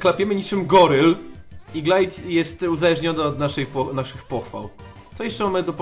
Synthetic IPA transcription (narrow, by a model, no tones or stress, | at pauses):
klapʲɛmɘɲit͡ʂɘmɡɔɾɘliɡlajt̪jɛst̪uzalɛʐɲɔnɛɔd̪naʂɛjpɔnaʂɘxpɔxfa̰w | t̪sɔjɛʂt͡ʂɛmamɘd̪ɔp